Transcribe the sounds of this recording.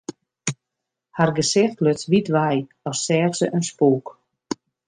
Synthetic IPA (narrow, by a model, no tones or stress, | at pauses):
harɡəsɪxtløtʋitʋɛj | ɔsːɛːrsəʔənspuːk